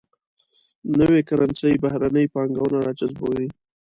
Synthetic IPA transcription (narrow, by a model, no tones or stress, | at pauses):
nəwekaɾansajbahɾanəjpɑŋɡawnaɾat͡ʃazboɾi